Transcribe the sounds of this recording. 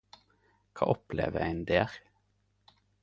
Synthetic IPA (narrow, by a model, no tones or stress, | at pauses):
kʰɑ̰ːʔɔplḛːʋəæɪnd̪eːʁ